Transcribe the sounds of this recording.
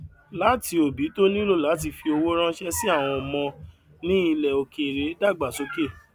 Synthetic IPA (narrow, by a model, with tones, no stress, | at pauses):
la˨˦ti˧o˨bi˨˦to˦nĩ˦lo˦˨la˨˦t̬i˦˨fi˧o˧wo˦ɾ̃ã˦ʃɛ˦si˦a˦˨w̃ɔ̃˧ɔ˨mɔ̃˧ | nĩ˦i˧lɛ˨o˧kʰe˧˨ɾe˨˦da˦˨ɡ͡ba˨so˨˦ke˦˨